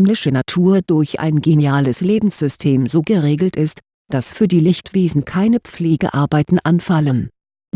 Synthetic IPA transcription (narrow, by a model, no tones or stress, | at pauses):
ɛmlɪʃənatʰuːɐd̥ʊɐçʔa̰ɪnɡeniaːləsleːbm̩sz̥ʏstʰeːmzoːɡəʁeːɡl̩tʔɪst | d̥asfyːɐdiːlɪçtv̥eːzn̩kʰaɪnəp͡fleːɡə̰ʔaɐbaɪtn̩ʔanfalən